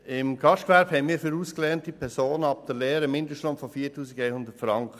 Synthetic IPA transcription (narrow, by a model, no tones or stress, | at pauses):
ɪmɡɑʃtkʋæɾphɛnmiːɾfyɾuːsklɛːntipʰɛɾsoːnɑp̚d̥̪əɾlɛːɾəmːɪndəʃtlomfɔfiːtuːsɪɡeɪhʊnd̪ətfɾɑŋkχə